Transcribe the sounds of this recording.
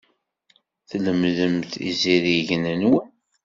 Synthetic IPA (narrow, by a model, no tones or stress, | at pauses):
θləmðəmθḭziɾiʝnənwən